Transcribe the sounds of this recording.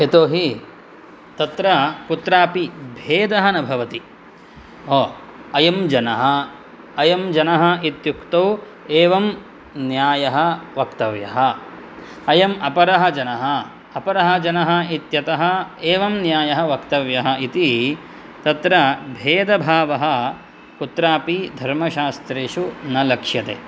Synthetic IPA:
et̪oːɦi | t̪ɐt̪ɾɐkut̪ɾaːpibʱeːd̪ɐɦɐnɐbʱɐʋɐt̪i | oːɐjɐmd͡ʒɐnɐɦɐ | ɐjɐmd͡ʒɐnɐɦɐ̆it̪jukt̪ɐw | eːʋɐm | njaːjɐɦɐ̆ʋɐkt̪ɐʋjɐɦɐ | ɐjɐmɐpɐɾɐɦɐ̆d͡ʒɐnɐɦɐ | ɐpɐɾɐɦɐ̆d͡ʒɐnɐɦɐ̆it̪jɐt̪ɐɦɐ̆eːʋɐmnjaːjɐɦɐʋɐkt̪ɐʋjɐɦɐ̆ʔit̪i | t̪ɐt̪ɾɐbʱeːd̪ɐbʱaːʋɐɦɐ̆ | kut̪ɾaːpid̪ʱɐɾmɐʃaːst̪ɾeːʃunɐlɐkʂjɐt̪ḛː

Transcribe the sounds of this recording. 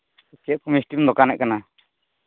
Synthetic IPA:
kɛʔkumisʈimd̪ɔkanɛʔkana

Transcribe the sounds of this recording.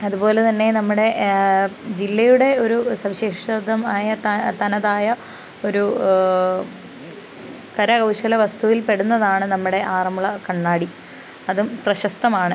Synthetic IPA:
ɐðubo̞ːlet̪ɐnːe̞nɐmːuɽe̞ | d͡ʑilːɐjuɽe̞o̞ɾusɐʋiɕeːʂɐd̪ʱːɐmaːjɐt̪t̪ɐnɐðaːjɐ | o̞ɾu | kɐɾɐɡɐwɕɐlɐʋɐst̪uʋilpe̞ɽunːɐðaːɳɨnɐmːuɽe̞ʔaːrɐmuɭɐkɐɳːaːɽi | ɐðumprɐɕɐst̪ɐmaːɳɨ

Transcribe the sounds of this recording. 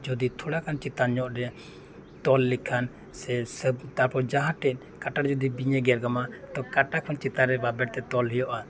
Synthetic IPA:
d͡ʒɔd̪it̪ʰɔɽakʰant͡ʃit̪aɲɔʔɾɛ | t̪ɔlːikʰan | sɛsəbt̪aɾpɔd͡ʒaɦaʈɛʔ̪̚ | kaʈaɾd͡ʒɔd̪ibiɲɛɡɛɾɡamat̪ɔkaʈakʰɔnt͡ʃit̪aɾɛbabɛɾt̪ɛt̪ɔlɦɛjɔʔa

